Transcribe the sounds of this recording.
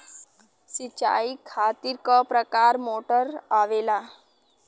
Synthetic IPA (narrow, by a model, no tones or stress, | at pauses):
sit͡ɕa̰ikʰat̪iːɾkəpɾəkaɾmoʈəɾaʋela